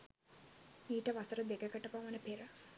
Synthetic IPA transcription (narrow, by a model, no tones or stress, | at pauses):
iːʈɐʋɐsɐɾɐd̪eɡɐkɐʈːɐpamɐnɐpeɾɐ